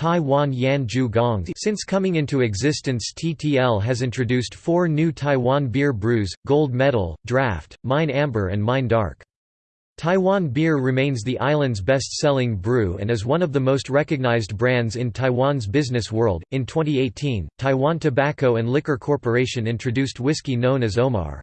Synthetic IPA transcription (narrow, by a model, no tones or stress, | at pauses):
tʰaɪwɑ̃njæ̃nd͡ʒʉɡɑ̃ŋsɪ̃nskʰʌmɪ̃ŋɪ̃ntʉɨɡzɪstɨ̃nstʰitʰiɛlˠɨzɪ̃ntɹ̥ɨdʉstfɔɹnʉtʰaɪwɑ̃nbɪɹbɹʉzɡ̥oʊlˠd̚mɛɾl̩ˠdɹæftmãɪ̃næ̃mbə̰˞ɨ̰̃nmãɪ̃ndɑ̰ɹk | tʰaɪwɑ̃nbɪɹɹɨmẽɪ̃nzðiʔaɪlˠɨ̃ndzbɛstsɛlˠɪ̃ŋbɹʉɨ̰̃nɨzwʌ̃nʌvðɨmoʊst̚ɹɛkɨɡ̚naɪzbɹæ̃ndzɨ̃ntʰaɪwɑ̃nzbɪznɨswɜ˞lˠdɨ̃ntʰw̥ɛ̃ñieɪtʰĩntʰaɪwɑ̃ntʰɨbækoʊɨ̃ndˡlɪkə˞kʰɔɹpə˞eɪʃɨ̃nɪ̃nt͡ʃɹ̥ɨdʉst̚wɪskinõʊ̃nɨzoʊmɑ̰ɹ